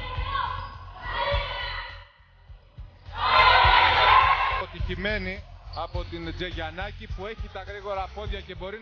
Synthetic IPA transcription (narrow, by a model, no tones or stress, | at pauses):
ot̪içime̞niɐpo̞t̪ind͡ze̞ʝɐnɐcipue̞çit̪ɐɣɾiɣo̞ɾɐpo̞ðʝɐce̞bo̞ɾi